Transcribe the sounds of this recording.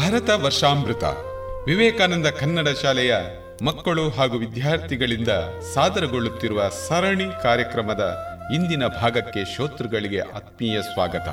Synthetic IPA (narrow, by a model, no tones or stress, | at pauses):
bʱɐɾɐt̪ɐʋɐɾʂaːmbɾut̪ɐ̰ | ʋiʋɛːkaːnɐnd̪ɐkʰɐnːɐɽɐʃaːlɛjɐ | mɐkːɐɭuɦaːɡuʋid̪jaːɾt̪ʰiɡɐɭind̪ɐsaːd̪ɐɾɐɡoɭːut̪ːiɾuʋɐsɐɾɐɳikaːɾjɐkɾɐmɐd̪ɐind̪inɐbʱaːɡɐkːe̞ʃoːt̪ɾɐɡɐɭiɡe̞̰ʔɐt̪̚miːjɐsʋaːɡɐt̪ɐ̰